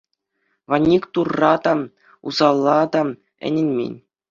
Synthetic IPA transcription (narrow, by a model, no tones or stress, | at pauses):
ʋɑnʲːikt̪urːɑd̪ɑ | ṵzɑlˠːɑd̪ɑ | ɘ̰̆nʲenʲmʲḛnʲ